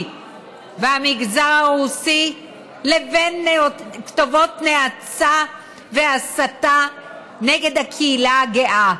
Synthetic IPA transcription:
vehamiɡzaʁaʁusi | levenːktovo̞tneat͡sa | ve̞asata | neɡe̞d̪hakʰiːlaɡeʔa

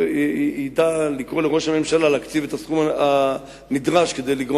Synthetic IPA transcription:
id̪alikʁo̞leʁo̞ʃhame̞mʃalaleakt͡sivet̪asχumaa | nid̪ʁaʃke̞d̪ejliɡʁo

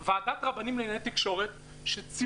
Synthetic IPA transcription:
vaaːdatʁabanimlenaet̪ikʃo̞ʁet̪ | ʃet͡si

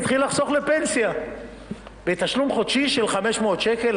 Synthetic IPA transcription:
t̪χilːaχso̞χle̞pe̞nsja | bet̪aʃlumχo̞dʃiʃe̞lχame̞ʃmoot̪ʃeke̞l

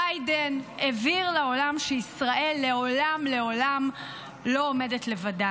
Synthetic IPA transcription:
ajdeneviʁleo̞lamʃeisʁaʔe̞lːe̞olamle̞o̞lam | lo̞ːme̞detle̞vada

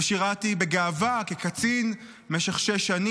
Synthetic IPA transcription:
ʃiʁatibeɡaːvakekat͡sin | meʃeχʃeʃani

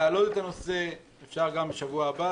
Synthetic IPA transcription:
aːlot̪et̪ano̞se̞ | efʃaʁɡambeʃavuaːba

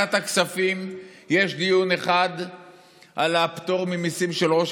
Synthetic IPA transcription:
at̪aksafim | je̞ʃd̪ijune̞χad̪ | ʔalaːpt̪o̞ʁmimisimʃe̞lʁo̞ʃ

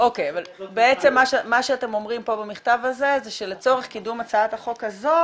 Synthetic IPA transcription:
ʔokejavalbeet͡se̞mːaʃmaʃeate̞mo̞mʁimpo̞bamiχtavaze̞zeʃelet͡so̞ʁeχkidumat͡saataχo̞khazo̞

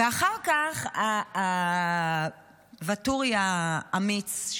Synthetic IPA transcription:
eaχaʁkaχa | vatuʁjaːmit͡s

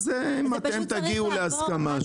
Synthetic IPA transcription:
zeimat̪emt̪aɡiuleaskama

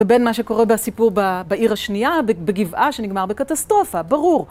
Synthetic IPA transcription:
ebenmaʃeko̞ʁebeasipuʁbabaʔiʁhaʃnijabbeɡivʔaʃeniɡmaʁbekat̪astʁo̞fabaʁuʁ

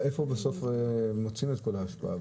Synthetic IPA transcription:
e̞fobeso̞fmot͡simet̪̚ko̞laːʃpa̰ʔa̰

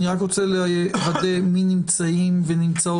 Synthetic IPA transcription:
niʁakʁot͡seleajevad̪eminimt͡saimvenimt͡sao

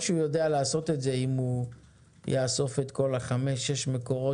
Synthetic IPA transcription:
ʃeujo̞dealaːso̞t̪etze̞imu | jaːso̞fe̞t̪ko̞laχame̞ʃːeʃmeko̞ʁo

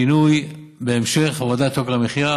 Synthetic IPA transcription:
inuj | beːmʃe̞χavod̪at̪oklameχiɾa

